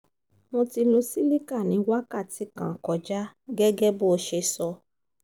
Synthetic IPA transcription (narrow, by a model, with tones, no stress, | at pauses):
mõ˧ti˧lo˧si˦li˦ka˦˨nĩ˨˦wa˦ka˦˨ti˨˦kã˨kɔ˨d͡ʒa˦ɡɛ˦ɡɛ˦bo˦˧ʃe˧sɔ˧